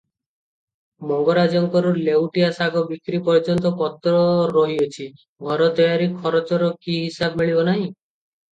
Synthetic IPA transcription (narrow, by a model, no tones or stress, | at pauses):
mɔŋɡɔɾad͡ʒɔŋkɔɾulewʈijasaɡɔbikɾipɔɾd͡ʒɔnt̪ɔkɔt̪ɾɔɾɔɦiot͡ʃʰi | ɡʱɔɾɔt̪ɔjaɾikʰɔɾɔt͡ʃɔɾɔkiɦisabmiɭibɔnaɦĩ